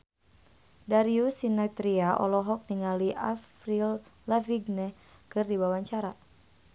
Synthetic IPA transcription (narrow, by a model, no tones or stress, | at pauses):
daɾiusinat̪ɾiaʔɔ̰lɔɦɔk̚niŋaliʔa̰frillaviɡnɛ | kɨrdibawaɲt͡ʃaɾa